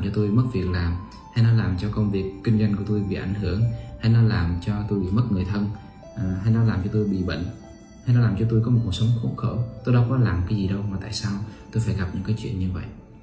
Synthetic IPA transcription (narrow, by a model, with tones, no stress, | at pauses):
mt͡ɕɔ˧t̪o˧jmə˦˥t̚vi˨˩ək̚laː˨˩m | ha˧jnɔ˨˦laː˨˩mt͡ɕɔ˧kə˧wŋ͡mvi˨˩əkːï˧ŋ̟za˧jŋ̟ku˧˩ət̪o˧jɓḭ˧˨ʔa˧˩jŋ̟ɦɨ˧˩əŋha˧jnɔ˨˦laː˨˩mt͡ɕɔ˧t̪o˧jɓḭ˧˨mə˦˥t̚ŋɨ˨˩əjt̪ʰə˧n˨˩ | ɦa˧jnɔ˨˦laː˨˩mt͡ɕɔ˧t̪o˧jɓḭ˧˨ɓḭ˧˨ŋ̟ | ha˧jnɔ˨˦laː˨˩mt͡ɕɔ˧t̪̬o˧jkɔ˨˦o˨˩k̚u˨˩ksə˨˦wŋ͡mxu˦˥t̚xə̰ː˧˩t̪o˧jɗa˧wkɔ˨˦laː˨˩mkaː˨˦jzi˨˩ɗə˧wmaː˨˩t̪a̰ː˧˨jsaː˧wt̪o˧jfaː˧˩jɣa˨˩p̚ɲɨ̰˧˥ŋkaː˨˦jt͡ɕwḭ˧˨ənɲɨ˧və̰˧˨jʔ